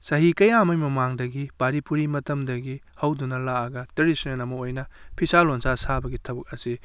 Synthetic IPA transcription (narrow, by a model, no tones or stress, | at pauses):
sɐɦikɐjamɐjmɐmaŋdɐɡipaɾipuɾimɐtɐmdɐɡi | hɐwdunɐlaɐɡɐteɾisnenɐmɐojnɐpʰisalonsasabɐɡitʰɐbɐk̚ɐsi